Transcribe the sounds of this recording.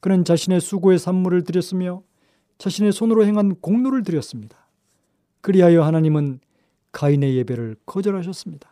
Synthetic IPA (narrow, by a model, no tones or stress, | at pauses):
kɯnɯnt͡ɕaɕʰine̞sʰuɡoe̞sʰamːuɾɯɭtɯɾjʌs͈ɯmjʌ | t͡ɕaɕʰine̞sʰonɯɾohe̞ŋɦankoŋnoɾɯɭt̬ɯɾjʌs͈ɯmɲid̥ḁ | kɯɾiɦajʌhanaɲimɯn | kaine̞je̞be̞ɾɯɭkʰʌd͡ʑʌɾɦaɕ̬ʰʌs͈ɯmɲid̥ḁ